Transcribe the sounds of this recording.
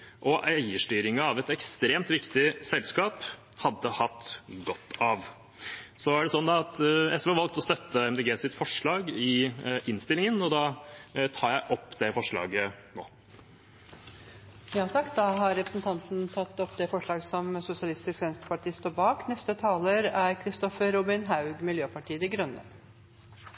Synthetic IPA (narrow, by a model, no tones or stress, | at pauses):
ʔɔʔæɪəʂʈyːɾɪŋəɑʋɛt̪ɛkst̪ɾeːmt̪ʋɪkt̪ɪsɛlskɑːp | hɑd̪ːəhɑt̪ːɡɔt̪ːɑʋ | sɔæɖɛsɔnːd̪ɑɑt̪ɛsʋɛːʋɑlɡ̚t̪ɔst̪œt̪ːəɛmd̪ɛːɡeːsɪt̪fɔʂɭɑːɡɪʔɪnst̪ɪlɪŋənɔd̪ɑːt̪ʰɑːɾjæɪʔɔpːd̪ɛfɔʂɭɑ̰ːɡəno̰ː | jɑːt̪ʰɑkːd̪ɑɦɑɾɾɛpɾəsnt̪ʰɑnt̪n̩t̪ʰɑt̪ːɔpːd̪ɛfɔʂɭɑːɡəsɔmsʊsɪɑlɪst̪ɪskʋɛnst̪ə̥pɑʈiːst̪oːbɑːknɛst̪ət̪ʰɑːləɾæɾkʰɾɪst̪ɔfəɾʊbɪnɦɑʉɡmɪljøːpɑʈiːəd̪ɪɡɾʉnːə̰